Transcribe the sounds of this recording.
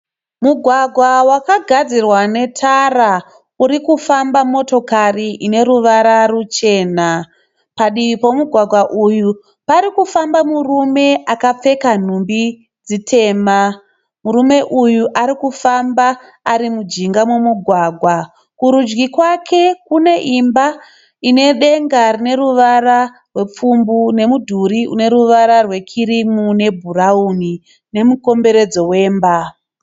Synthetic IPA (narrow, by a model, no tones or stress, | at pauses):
muɡʱwaɡʱwawakaɡʱad͡zirwane̞tʰara | uɾikufambamo̞to̞kariʔine̞ɾuʋaɾarut͡ʃe̞ːna | paɗiipo̞muɡʱwaɡʱwaʔuju | paɾikufambamurume̞akap͡fe̞kan̤umbi | d͡zitʰe̞ːma | murume̞ʔujuʔaɾikufambaː | ɾimud͡ʒiŋɡamwumuɡʱwaɡʱwa | kuɾud͡ʒɡikwakʰe̞kune̞ʔimba | ine̞ɗe̞ŋɡarine̞ɾuʋaɾa | rwe̞p͡fumbune̞mudʱuɾiṵne̞ɾuʋaɾarwe̞kʰiɾimune̞bʱurauni | ne̞muko̞mbe̞ɾe̞d͡zo̞we̞ːmba